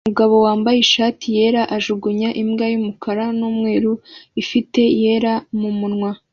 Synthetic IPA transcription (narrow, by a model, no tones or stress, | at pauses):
umuɡaβo̞waːmbajeʃaːtʰije̞ɾaʔaʒuɡuɲaʔimɡajumukʰaɾanumŋeːɾuifite̞je̞ːɾamumunŋwa